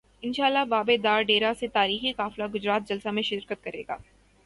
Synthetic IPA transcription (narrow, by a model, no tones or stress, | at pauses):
ɪnʃaːlːaɦbaːbed̪aːɾɖeːɾaset̪aːɾiːxikaːflaɡʊd͡ʒɾaːt̪̚d͡ʒɐlsamẽʃɪɾkət̪̚kɐɾḛːɡa̰ː